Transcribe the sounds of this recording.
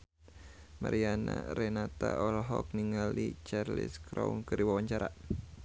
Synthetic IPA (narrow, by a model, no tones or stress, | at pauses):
maɾianaɾɛnat̪aʔɔlɦɔk̚niŋalit͡ʃarlɪ̰skɾɔunkɨɾiwawaɲt͡ʃaɾa